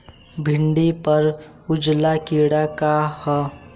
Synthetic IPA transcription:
bʱɪɳɖipəɾ | ʊd͡ʒlakiɽakahə

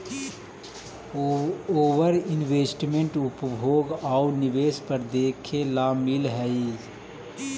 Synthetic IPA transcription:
oːʋəɾɪnʋeːsʈmẽɳʈʊpbʱoːɡaunɪʋeːspəɾd̪eːkʰelaːmɪlɦɛi

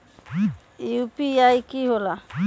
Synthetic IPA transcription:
upiajkiɦola

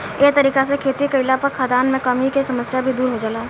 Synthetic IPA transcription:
eːt̪əɾiːkasekʰeːt̪ikəɪlapɐɾkʰaːd̪aːnmẽkɐmikisɐməsjabʱid̪uːɾɦod͡ʒaːlaː

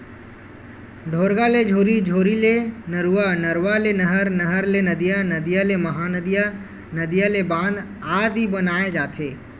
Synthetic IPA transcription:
ɖʱoːɾɡaled͡ʒʱoːɾid͡ʒʱoːɾilenəɾuanəɾwalenəɦəɾnəɦəɾlenəd̪ijanɐd̪ijaleməɦanəd̪ija | nəd̪ijalebãːnd̪ | aːd̪ɦibənaːed͡ʒaːt̪ʰeː

